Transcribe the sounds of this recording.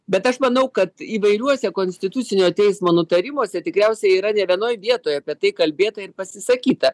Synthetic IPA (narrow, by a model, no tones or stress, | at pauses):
bʲɛt̪ɐʃmɐnɐʊkɐt̪iːʋɐɪɾʲuɔsʲɛkoːnʲsʲt̪ʲɪt̪ʊt̪sʲɪnʲoːt̪ʲɛɪsmoːnʊt̪ɐɾʲɪmoɔsʲɛt̪ʲɪkɾʲɛʊsʲɛiːɾɐnʲɛʋʲiɛnoːjʋʲiɛt̪oːjɐpʲiɛt̪ɐɪkɐlʲbʲeːt̪ɐɪɾpɐsʲɪsɐkʲiːt̪ɐ